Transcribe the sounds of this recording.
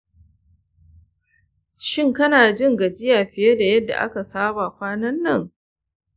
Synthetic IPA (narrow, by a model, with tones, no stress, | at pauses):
ʃɪ˦ŋkɐ˦naː˨d͡ʒɪ˦ŋɡɐ˨d͡ʒɪ˦jaː˨ɸɪ˨je˦da˨jɐ˦dːa̰˨ʔa̰˦ka˨saː˦baː˨kʷaː˦nɐ˦nːɐ˦ŋ